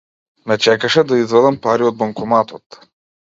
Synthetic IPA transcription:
mɛt͡ʃɛkaʃɛd̪aizvɛlˠɐmpaɾiod̪̚bɐŋkɔmat̪ot̪

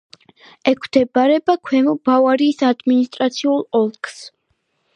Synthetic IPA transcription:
ɛkʰwd̪̥ɛbaɾɛbakʰwɛmb̥avaɾiːsad̪minist̪ʼɾat̪sʰiulˠɔlˠkʰʼs

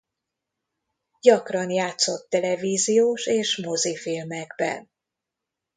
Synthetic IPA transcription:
ɟɒkrɒnjaːt̪so̞t̪ːɛlɛviːzijoːʃeːʃmozifilmɛɡbɛ̰n

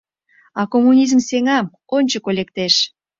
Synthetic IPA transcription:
ɑkomːunʲizmseŋɑm | onʲt͡ɕəkolʲek̚t̪eʃ

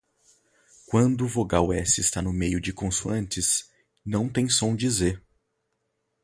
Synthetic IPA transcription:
kwɐ̃nd̪ʊvoɡawɛsɪst̪anʊmejʊd͡ʒɪkõsuɐ̃nt͡ʃɪs | nɐ̃w̃t̪ẽj̃sõw̃d͡ʒizeɾ

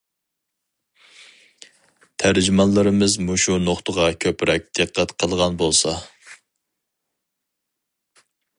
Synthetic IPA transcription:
t̪ʰæɾd͡ʒymɑnlˠɨɾɨmɪzmuʃunoχt̪ʰəʁɑkʲʰøpɾɛk̚ʲd̪̥ɨqʰːæt̪qʰəlˠʁɑnbolˠsɑ

